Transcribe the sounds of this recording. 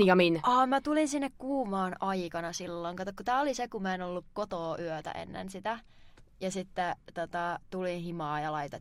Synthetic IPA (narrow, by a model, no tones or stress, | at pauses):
ijɑminʔɑːmæt̪ulinsinːekkuːmɑːnɑikɑnɑsilːoŋkɑt̪ːɑkut̪æːolisekummæenolːukkot̪oːʔyøt̪æ̰ʔḛnːḛnsit̪æ | jɑsit̪ːɛt̪ot̪ɑt̪ulihimɑːjɑlɑit̪ɑ